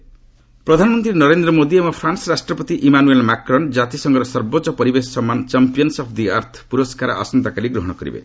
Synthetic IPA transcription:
pɾɔd̪ʱanmɔnt̪ɾinʌɾend̪ɾɔmod̪iemapʰɾansɾasʈɾɔpɔt̪iʔimanuelmakɾɔnd͡ʒat̪isɔŋɡɔɾɔsɔɾbotːt͡ʃɔpɔɾibessɔmːant͡ʃampijɔnsɔpʰd̪ia̰ɾt̪ʰpuɾɔskaɾaa̰sɔnt̪akaɾiɡɾɔɦɔɽ̃ɔkɔɾḭbḛ

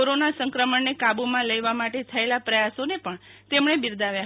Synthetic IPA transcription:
oɾonasə̃ŋkɾəməɳnekabumãləjʋamaʈet̪ʰəelapɾəjasonepəɳt̪emɳebiɾd̪aʋjaɦ

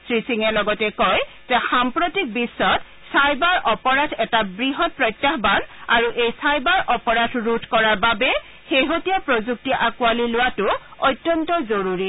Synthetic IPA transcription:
sɹisiŋɛlɔɡɔtɛkɔj | z̥ɛxampɹotik̚bisːɔt | sajbaɹʔɔpɔɹadʰɛtabɹiɦɔt̚pɹɔjtːaɦbanaɹuʔejsajbaɹʔɔpɔɹadʰɹutkɔɹaɹbabɛ | xeɦotijapɹozuk̚tiʔakʊalilʊwatʊ | ɔjtːjɔntɔzoɹuɹi

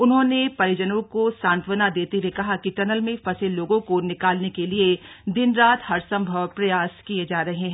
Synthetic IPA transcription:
ʊnɦõːnepɐɾɪd͡ʒənõkosãːnt̪ʰʋənad̪eːt̪iwekɐɦakiʈɐnəlmẽfɐseloːɡõkonɪkaːlnekelied̪ɪnɾaːt̪ʰhɐɾsɐ̃mbʱəʋpɾɐjaːskied͡ʒaːɾɐɦeɦɛ̃

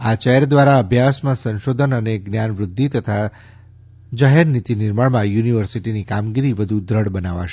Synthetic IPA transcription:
at͡ʃɛɾd̪ʋaɾaəbʱjasmãsə̃nʃod̪ʱənəneɡnjanʋɾʊd̪ʱːit̪ət̪ʰa | d͡ʒaɦɛɾnit̪inɪɾməɭmãjuniʋəɾsiʈinikamɡiɾiʋəd̪ʱud̪ɾəɽbənaʋa̰ʃe

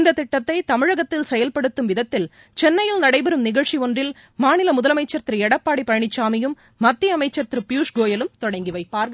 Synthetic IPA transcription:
nd̪ɐt̪ɪʈːɐt̪ːɐɪt̪ɐmɪɻɐɣɐt̪ːɪlsɛjɐlpɐɽɯt̪ːɯmʋɪðɐt̪ːɪl | t͡ʃɛnːɐjɪlnɐɽɐɪbɛɾɯmnɪɣɐɭt͡ʃiɔndrɪl | maːnɪlɐmʊðɐlɐmɐɪt͡ʃːɐɾt̪ɾɯɛɽɐpːaːɽipːɐɻɐɳɪt͡ʃːaːmɪjɯmː | ɐt̪ːiɐmɐɪt͡ʃːɐɾt̪ɪɾɯpjuːʂɡoːjɐlɯmt̪ɔɽɐŋɡiʋɐɪpːaːɾɡɐ

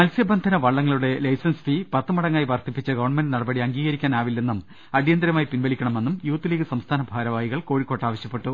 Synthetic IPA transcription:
mɐlsjɐbɐnd̪ʱɐnɐʋɐɭːɐŋːɐɭuɽe̞lɐjsɐnsfipɐt̪ːɨmɐɽɐŋːaːjʋɐrt̪ipːit͡ɕːɐɡɐʋɐɳme̞ndɖɨnɐɽɐbɐɽiɐŋɡiːɣɐɾikʲːaːnaːʋilːe̞nːum | ɐɽijɐnd̪ɐɾɐmaːjipinʋɐlikʲːɐɳɐme̞nːumjuːt̪ːiliːɡɨsɐmst̪ʰaːnɐbʱaːɾɐʋaːjiɣɐɭko̞ːɻikʲːo̞ːʈːaːʋɐɕjɐpːe̞ʈːu

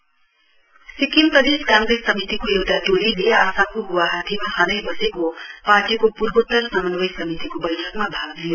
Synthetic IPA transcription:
sikimprʌd̪eskãŋɡɾejsʌmit̪ikojewt̪aʈolileaːsakoɦuwaɦat̪ʰimaɦʌnʌjbʌsekopaʈikopuɾbot̪ːʌrsamʌnbʌjsʌmit̪ikobʌjʈʰʌkmabʱaɡd̪ijo

